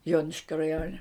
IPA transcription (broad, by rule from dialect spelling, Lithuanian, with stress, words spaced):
ˈjoːnʲɪʃʲkʲoː rɐˈjoːnʲɛ